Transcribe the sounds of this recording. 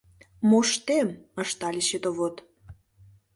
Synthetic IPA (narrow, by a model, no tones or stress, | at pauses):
moʃt̪emə̆ʃt̪ɑlʲiʃet̪oβot̪